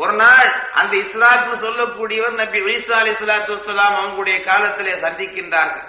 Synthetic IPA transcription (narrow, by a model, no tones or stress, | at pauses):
ʔɔɾɯnaːɭʔɐ̰nd̪ɐɪsɾaːkɯnɯsɔlːɐkːuːɽɪjɐʋɐɾnɐbɪʁiːsaːɐlɐɪsːɐlaːt̪ɯʋɐsːɐlaːmɐʋɐŋɡɯɽɐjɐkaːlɐt̪ːɪleːsɐnd̪ɪkːɪndraːɾɣɐ̰ɭ